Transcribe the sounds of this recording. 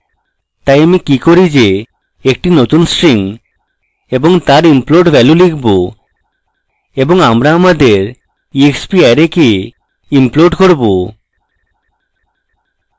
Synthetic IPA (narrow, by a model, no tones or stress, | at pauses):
t̪ajamikikoɾid͡ʑe | ekʈinot̪unsʈɾiŋ | eboŋt̪aɾimploɖbʱɛlulikʰbo | eboŋamɾaamad̪eɾ | iekspiajɾeke | imploɖkoɾbo